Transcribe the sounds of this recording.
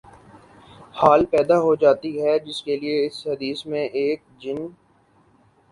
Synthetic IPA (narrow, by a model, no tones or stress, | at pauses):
haːlpɛːd̪aɦod͡ʒaːt̪iɦɛd͡ʒɪskelieɪshɐd̪iːsmẽʔeːk̚d͡ʒɪn